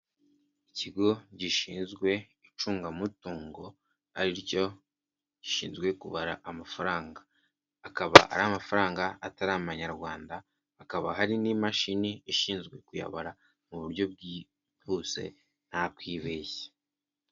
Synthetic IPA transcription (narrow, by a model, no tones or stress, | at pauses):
iciɡo̞ɟiʃiːnzɡwe̞ | it͡ʃuːŋɡamutuːŋɡo̞ | a̰ɾiɾco̞ | ɟ̥i̥ʃiːnzɡwe̞kuβaɾaʔamafaɾaːŋɡaː | kaβa̰ʔa̰ɾaːmafaɾaːŋɡaataɾamaɲaɾɡwaːndaː | kaβa̰ɦaɾinimaʃiniiʃiːnzɡwe̞kuja̰βaɾa | muβuɾɟo̞b̚ɡi | huse̞̰ | n̥hakwiβeːçe̥